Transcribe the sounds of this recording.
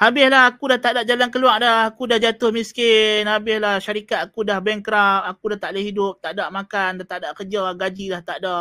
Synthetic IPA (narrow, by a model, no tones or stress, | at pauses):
habɪslaɦakudaht̪aʔdaʔ̚d͡ʒalankəluaʔdahakudahd͡ʒat̪ʊhmiskɪnabɪhlahʃaɾikat̪̚akudahbɛŋkɾafpakudaht̪aʔlahɦidʊp̚t̪aʔdaʔmakandat̪aʔdaʔkəd͡ʒaɡad͡ʒilaht̪aʔdaʔ